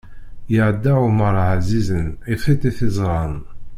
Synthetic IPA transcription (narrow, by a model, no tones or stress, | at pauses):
jəʕəd̪ːaʕuməɾˤʕzizənifit̪iθɪzˤʁɑn